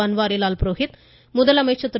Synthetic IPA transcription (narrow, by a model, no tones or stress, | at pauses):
ɐnʋaːɾɪjlaːlpɾoːɦɪt̪ | mʊðɐlɐmɐjt͡ʃːɐt̪